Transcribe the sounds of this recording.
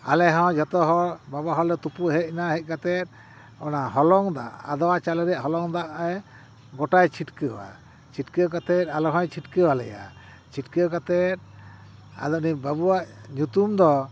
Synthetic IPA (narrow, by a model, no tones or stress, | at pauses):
a̰lɛɦɔ̃d͡ʒɔt̪ɔɦɔɾbabaɦɔlɛt̪upuɦɛc̚naɦɛc̪̚ˀkat̪ɛt̪̚ | ɔnaɦɔlɔŋd̪a̰ʔad̪ɔwat͡ʃalɛɾɛʔɦɔlɔŋd̪aʔɛ | ɡɔʈajt͡ʃʰiʈkəwa̰ | t͡ʃʰiʈkɛɔk̬at̪ɛt̪̚alɔɦɔ̃jt͡ʃʰiʈkəwalɛ̰ja̰ | t͡ʃʰiʈkɛɔkat̪ɛt̪̚ | a̰d̪ɔnibabuwaʔɲut̪umd̪ɔ